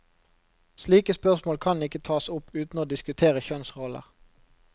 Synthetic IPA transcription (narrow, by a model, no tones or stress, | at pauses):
sliːkəspœʁsmoːlkʰɑnɪkət̪ʰɑːsʊpʉːt̪noːd̪ɪskʉt̪ʰeːʁəçœnsʁɔlə̰ʁ